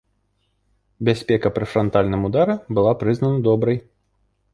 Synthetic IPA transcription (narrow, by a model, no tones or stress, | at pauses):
bʲasʲpʲɛkɐpɾɨfɾant̪alʲnɨmud̪aɾɛbɨlˠapɾɨznɐnɐd̪ɔbɾɐj